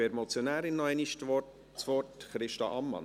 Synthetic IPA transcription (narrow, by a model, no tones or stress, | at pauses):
ɛɾmɔt͡sjonæːɾɪnːɔɛniʃtɔ | t͡sʋɔrtχɾɪʃtɑʔɑmːɑ̰n